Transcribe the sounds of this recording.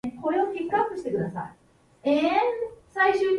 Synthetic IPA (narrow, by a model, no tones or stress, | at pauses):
ko̞ɾeokʲekːapːɯ̟ɕi̥t̪ekɯ̟d̪asa̰i | esaiɕɨːɲ